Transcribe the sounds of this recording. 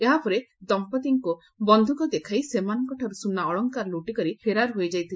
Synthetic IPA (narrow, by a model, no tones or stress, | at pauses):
eɦapɔɾed̪ɔmpɔt̪iŋku | bɔnd̪ʱukɔd̪ekʰajsemanɔŋkɔʈʰaɾusunːaɔɭɔŋkaɾluʈikɔɾipʰeɾaɾɦojd͡ʒajt̪ʰi